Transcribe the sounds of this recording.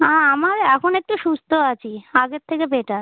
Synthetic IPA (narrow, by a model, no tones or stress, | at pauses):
ãamaɾɛkʰonek̚ʈuʃust̪ʰoat͡ɕʰiaɡeɾt̪ʰːekebeʈaɾ